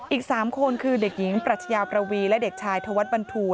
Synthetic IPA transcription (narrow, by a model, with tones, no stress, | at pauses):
ʔiː˨˩k̚saː˩˦mkʰo˧nkʰɯː˧de˨˩k̚ji˩˦ŋpɾa˨˩t̪̚ʰa˧jaː˧wpɾa˧wiː˧lɛ˦˥de˨˩k̚t͡ɕʰaː˧jt̪ʰoː˧wa˦˥t̪̚ba˧nt̪ʰuː˨˩